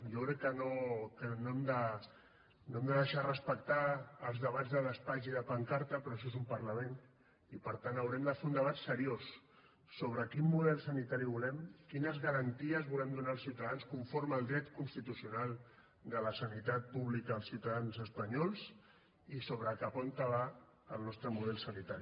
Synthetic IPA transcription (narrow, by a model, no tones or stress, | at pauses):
jokɾɛkːənokənoɛmd̪ə | noɛmd̪əðəʃarəspək̚t̪aːlˠzðəβad͡zðələspaziðəpaŋkaɾt̪əpɾɔəʃ̬ɔezumpəɾləmen | ipəɾt̪anəwɾɛmd̪əfeund̪əβ̞at̪səɾios | soβ̞ɾəkimːuðɛlˠsənit̪aɾiβulɛmkinəzɣəɾənt̪iəzβulɛmd̪unaːlˠsiwt̪aðanskuɱfoɾməːlˠd̪ɾɛt̪kunst̪it̪usiunalˠ | d̪ələsənit̪at̪̚puβlikəəlˠsiwt̪aðanzəspəɲɔlˠs | isoβɾəkapɔnt̪əβa | əlˠnɔst̪ɾəmuðɛlˠsənit̪aɾi